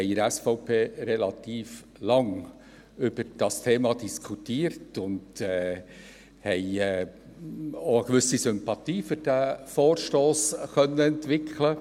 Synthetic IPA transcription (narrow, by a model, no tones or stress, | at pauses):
hɛɪɾɛsfɔʊpʰeːɾɛlɑt̪iːf | lɑŋ | ʏb̥əɾd̥ɑstʰeːmɑdiskʰutiːəɾtʊndɛː | hɛɪɛ | oəɡ̥ʋʏsisʏmpɑt̪iːfʏɾd̥æfɔːrʃtoːskœnːəɛntʋɪkʰlə